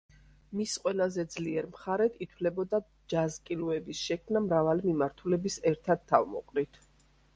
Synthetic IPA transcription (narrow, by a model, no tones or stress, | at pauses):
misqʼwɛlazɛd̪zliɛɾmχaɾɛt̪ʰit̪ʰwlɛbɔd̪a | d͡ʒazkʼiluɛbisʃɛkʰmnamɾavalimimaɾt̪ʰulɛbisɛɾt̪ʰad̪̚t̪ʰːavmɔ̰qʼɾit̪ʰ